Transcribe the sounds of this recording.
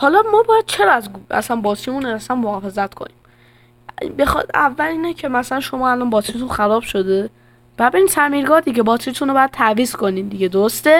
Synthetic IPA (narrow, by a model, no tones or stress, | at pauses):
hɒlɒmɒːbɒːjæd̪̥̚t͡ʃʰe̞ɾɒzæ̰sænbɒːt̪ʰimuːnæsænmohɒːfe̞zæt̪kʰo̰niːm | bexɒ̰d̪æ̰vːæliːnecʰe̞mæsælænʃo̞mɒːælɒːnbɒːt̪ʰit̪ʰunxæɾɒːb̥ʃo̞d̪e̞ | b̥æd̪beiːmsʰæmiːɾɡɒːd̪iɟebɒːt̪ʰit̪ʰunobɒjæd̪̚t̪ʰæviːzkʰo̞niːmd̪iɟe̞d̪oɾost̪e̞